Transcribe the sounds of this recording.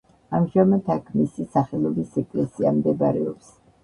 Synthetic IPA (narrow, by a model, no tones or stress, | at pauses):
amʒamat̪ʰakʰmisisaχɛlˠɔbisɛkʼlɛsiamd̪ɛbaɾɛɔps